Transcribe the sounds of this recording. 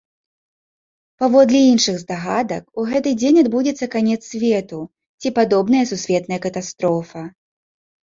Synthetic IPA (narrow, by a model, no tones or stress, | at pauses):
pavɔd̪lʲɛinʂɨɣzd̪aɣad̪ɐ̰kuɣɛt̪ɨd͡zʲenʲad̪bud͡zʲɛt̪sːɐkanʲɛt̪sʲsʲvʲɛt̪u | t͡sʲipad̪ɔbnɐjɐsusʲvʲɛt̪nɐjɐkɐt̪ast̪ɾɔfɐ